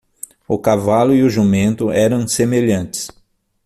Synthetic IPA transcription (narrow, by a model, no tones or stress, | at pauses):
ʊkavalʊiʊʒumẽnt̪ʊʔɛɾɐ̃w̃semeʎɐ̃nt͡ʃɪ̥s